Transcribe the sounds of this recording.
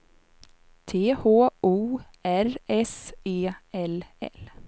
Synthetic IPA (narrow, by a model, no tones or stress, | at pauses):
t̪ʰeːhoːʔuː | æɾɛseːɛlɛ̰l